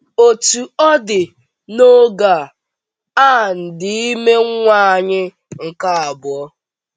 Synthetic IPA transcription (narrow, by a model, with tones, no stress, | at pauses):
o˨tu˨ɔ˦dɪ˨ | no˦ɡa˨ | a˦˨n̩˨dɪ˦i˦me˦ŋ̩˦ŋʷa˦a˨ɲɪ˦ | ŋ̩˨ka˦a˨bʊ˨ɔ˦